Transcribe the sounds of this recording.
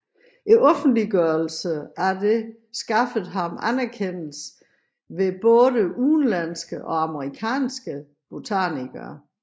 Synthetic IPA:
ʔiʔɔ̽fn̩d̥liɡ̥œɐlsəæɐd̥e̝ | sɡ̥ɑ̈fð̩ˠɦɑ̈mænæɐkʰen̰l̩s | ʋe̝b̥ɔ̽ːðˠəʔuːnlæn̰sɡ̥əʔɒ̽ɑməʁikʰɛ̰ːnsɡ̥ə | b̥ot͡sʰæ̰niɡ̥ɐ

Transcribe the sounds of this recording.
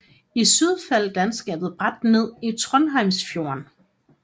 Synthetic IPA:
isyð̞ˠfæl̰d̥ænsɡ̥ɛ̰ːb̥ð̩ˠb̥ʁɑ̈d̥ne̝ð̰ˠit͡sʰʁɔ̽nɦɑ̈ɪmsfjo̝ɐn

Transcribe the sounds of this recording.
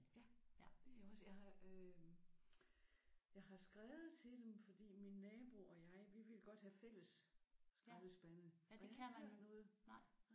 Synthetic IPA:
jæd̥e̝oɒsjɑ̈ɪɦɑ̈ø | jɑ̈ɪɦɑ̈sɡ̥ʁɛːʊð̩ˠt͡sʰe̝ld̥emfɒ̽d̥ḭːminːɛːb̥uɒ̽jɑ̈ɪʋiʋe̝lɡ̥ɒ̽d̥hæfel̰əssɡ̥ɑʋ̩sb̥ænəɒ̥nɔ̽ːð̩ˠ

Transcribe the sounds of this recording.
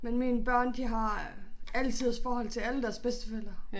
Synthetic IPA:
menminəb̥ɶɐ̰nd̥iɦɑ̈ | ælt͡sʰið̰ˠsfɒːɦɒ̽l̰t͡sʰe̝læləd̥æɐsb̥esd̥ə̥fel̰ɐ

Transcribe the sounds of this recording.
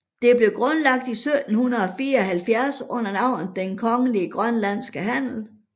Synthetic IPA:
d̥e̝b̥le̝ɡ̥ʁɔnlɑ̈ɡ̥̚d̥isød̥n̩hunɐð̩ˠɒ̽fiːɐɒ̽ɦælfjæɐsɔ̽n̰ɐnɑ̈ʊ̰nd̥enkʰɒ̽ŋəliəɡ̥ʁɶnlæn̰sɡ̥əɦæn̰l̩

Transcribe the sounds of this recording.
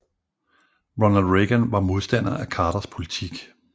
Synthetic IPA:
ʁɔnælʁeɡ̥ənʋɑ̈mo̝ð̞ˠsd̥æn̰ɐʔækʰɑ̈ːɾ̥ɐspʰo̝lit͡sʰiɡ̥

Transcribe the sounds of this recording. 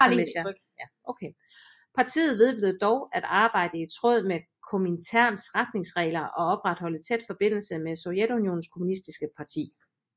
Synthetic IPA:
e̥ | æ | oʊkʰe | pʰɑ̈t͡sʰḭːð̩ˠʋe̝ð̞ˠb̥yð̩ˠd̥ɒʊæd̥ɑ̈ːb̥ɑ̈ɪ̰d̥əit͡sʰʁɔð̞̰ˠmekʰomint͡sʰæɐ̰nsʁad̥ne̝ŋsʁɛ̰ːɪlɐʔɒ̽ɒ̽b̥ʁad̥hɒ̽lət͡sʰed̥fɒ̽b̥e̝n̰l̩səmesojed̥unjo̝̰ːn̩skʰomunisd̥isɡ̥əpʰɑ̈t͡sʰḭː

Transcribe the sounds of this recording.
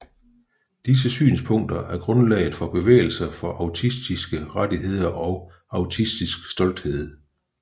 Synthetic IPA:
d̥is̬əsy̰ːnspʰɔ̽ŋ̰d̥ɐʔæɐɡ̥ʁɔ̽nlɛ̰ːɪð̩ˠfɒ̽b̥e̝ʋḛːɪl̩sɐfɒ̽ʔɑ̈ʊt͡sʰisd̥isɡ̥əʁadiɦe̝ð̞̰ˠɐʔɒ̽ʊ | ɑ̈ʊt͡sʰisd̥isɡ̥sd̥ɒ̽l̰d̥he̝ð̞̰ˠ

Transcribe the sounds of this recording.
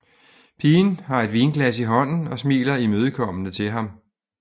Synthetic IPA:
pʰiːnhɑ̈e̝d̥ʋiːnɡ̥læs̬iɦɒ̽n̰n̩ɒ̽smḭːlɐimøːð̞ˠkʰɒ̽m̰ənət͡sʰe̝lɦɑ̈m

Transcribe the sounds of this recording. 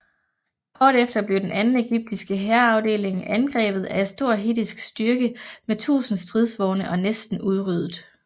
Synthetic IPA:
hɒːɾ̥efd̥ɐb̥le̝ʊd̥enʔænn̩e̝ɡ̥yb̥̚d̥isɡ̥əɦæɐɑ̈ʊde̝̰ːle̝ŋʔænɡ̥ʁɛ̰ːb̥ð̞̩ˠæɐe̝d̥sd̥o̝ɐ̰ɦid̥isɡ̥sd̥ɶɐɡ̥əmet͡sʰṵːsn̩sd̥ʁiðˠsʋɒʊnəʔɒ̽nesd̥n̩uð̞ˠʁyð̞ˠð̩ˠ

